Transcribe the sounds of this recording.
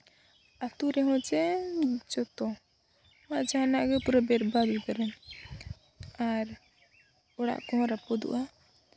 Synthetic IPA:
at̪uɾɛɦɔ̃d͡ʒɛd͡ʒɔt̪ɔ | maʔd͡ʒanaʔɡɛpuɾabɛɾbad̪id̪aɾɛn | aɾ | ɔɽa̰ʔkɔɦɔ̃ɾapɔd̪ṵʔa

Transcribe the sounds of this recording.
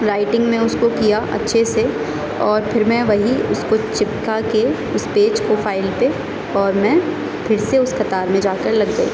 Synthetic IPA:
ɾaːɪʈɪ̃ŋɡmẽʊskokijaʔɐ̰tːʃʰese | ɔːɾpʰɪɾmɛ̃ʋɐɦiʊskot͡ʃɪpkake | ʊspeːd͡ʒkofʰaːɪlpe | ɔːɾmɛ̃ | pʰɪɾseʊskɐt̪aːɾmẽd͡ʒaːkəɾlɐɡɡɐḭː

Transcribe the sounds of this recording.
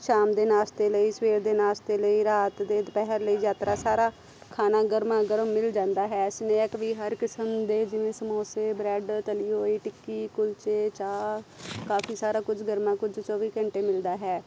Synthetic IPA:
ʃaːmd̪eːnaːst̪eːləiːsʋeːɾd̪eːnaːst̪eːləiːɾaːt̪d̪eːpɛɦəɾləiːd͡ʒaːt̪ɾaːsaːɾaː | kʰaːnaːɡəɾmãːɡəɾəmːɪld͡ʒãːnd̪aːɦɛːɪsnẽːɪkʋiːɦəɾkɪsəmd̪eːd͡ʒɪʋẽːsəmoːseːbɾɛːɖt̪əliːɦoːiːʈɪkːiːkʊlt͡ʃeːt͡ʃaːkaːfʰiːsaːɾaːkʊd͡ʒɡəɾmãːkʊd͡ʒt͡ʃɔːʋiːkə̃ɳʈeːmɪld̪aːɦɛː

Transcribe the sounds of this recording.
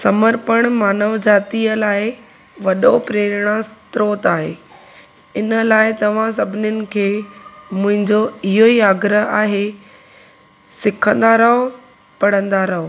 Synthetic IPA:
sɐməɾpəɽ̃maːnəʋd͡ʑaːt̪iəlaːɪ | ʋɐɗopɾeːɾɪɽ̃ast̪ɾoːt̪aːɦḛː | ɪnəlaːɪt̪ɐʋ̤ãs̬ɐbʱɪnjʊnɪ̆kʰeːmʊ̃ɦɪ̃ɲd͡ʑoɪɦoiaːɡɾəɦaːɦe | sɪkʰə̃nd̪aɾɐɦo | pɐɽ̤ə̃nd̪aɾɐɦo

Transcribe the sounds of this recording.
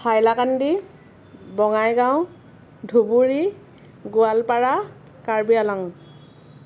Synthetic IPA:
pʰajlakandi | bɔŋajɡãw̃ | dʱubuɹi | ɡʊalpaɹa | kaɹbialaŋ

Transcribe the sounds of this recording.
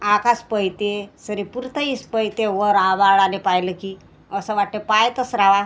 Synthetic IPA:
akaspəjt̪esəɾepuɾt̪əispəjt̪eʋəɾaʋaɭanepajləki | əsəʋaʈ̚t̪epajt̪əsɾaʋa

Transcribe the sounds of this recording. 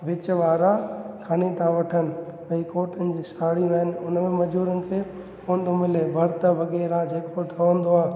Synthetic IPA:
ʋɪt͡ɕʋaːɾakʰɐɽ̃et̪ʰãʋɐʈʰənɪ̆ | ɐ̃ikoːʈənɪ̆d͡ʑiːsaːɽiʋɐɦənɪ̆ʊnmẽmɐd͡ʑuːɾənɪ̆kʰeː | hõːnd̪omɪlebʱɐɾt̪əʋɐɣɛːɾad͡ʑeːkʰoʈʰɐʋə̃nd̪oaːɦ

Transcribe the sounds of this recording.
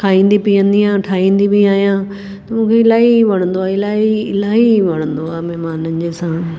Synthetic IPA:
kʰaːĩːn̆d̪ipijə̃nd̪iãːʈʰaːĩːnd̪ibiaːɦijãː | t̪mũːkʰeɪlaːiʋɐɽ̃ə̃nd̪oaːɪlaːiɪlaːɦiʋɐɽ̃ə̃nd̪oaːmɛɦmaːnənɪ̆d͡ʑeːsãː

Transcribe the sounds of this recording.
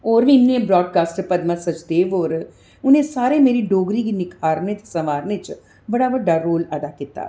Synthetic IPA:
ɔːɾʋĩmnẽbɾɔːɖ̚kaːsʈpɐd̪mãsɐt͡ʃd̪eːʋɔːɾ | ʊnɦẽsaːɾemeːɾiɖoːɡɾikinɪkʰaːɾnet̪esɐʋaːɾnet͡ʃ | bɐɽabəɖaɾoːləd̪akɪt̪a̰ː

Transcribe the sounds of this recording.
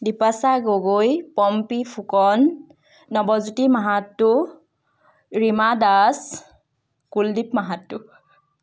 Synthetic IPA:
dipasaɡoɡojpɔmpipʰukɔnː | ɔbɔzutimaɦatːʊ | ɹimadas | kuldipmaɦatːʊ

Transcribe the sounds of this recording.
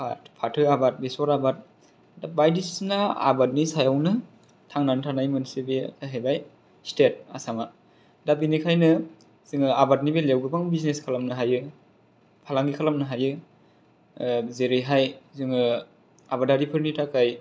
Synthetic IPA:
pʰa̰tpʰatʰɯabat̚besɔɾabat̚ | dabajdissnaa̰bat̚nisajawnɯ | tʰaŋnantʰanajmɯnsebekʰajɦajbaj | stet̚a̰sama | dabinikʰajnɯ | z̥ɯŋɯabat̚nibelewɡɯbaŋbizneskʰalamnɯɦajɯ | pʰalaŋɡikʰalamnɯɦajɯ | zeɾiɦajzɯŋɯ | abadaɾipʰɯɾnitʰakaj

